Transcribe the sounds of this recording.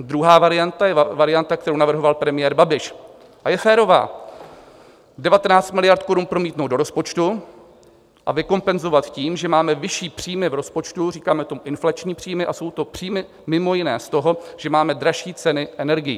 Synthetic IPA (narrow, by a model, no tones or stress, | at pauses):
d̪ɾuɦaːvaɾɪjant̪ajɛvaɾɪant̪ak̚t̪ɛɾownavr̩ɦo̞valpɾɛmɪjɛːɾbabɪʃ | ʔajɛfɛːɾo̞va̰ː | dɛvat̪ɛnaːt͡st̪mɪlɪjaɾt̪̚ko̞ɾunpɾo̞miːt̪nowdo̞ɾo̞spo̞t͡ʃt̪u | ʔa̰vɪko̞mpɛnzo̞vat̪ciːmʒɛmaːmɛvɪʃiːpr̝̥iːmɪvɾo̞spo̞t͡ʃt̪uriːkaːmɛt̪o̞muʔɪnflat͡ʃɲiːpr̝̥iːmɪʔaso̞wt̪o̞pr̝̥iːmɪ | mɪmo̞jɪnɛːst̪o̞ɦo̞ʒ̥ɛmaːmɛdɾaʃiːt͡sɛnɪʔɛnɛɾɡɪjḭ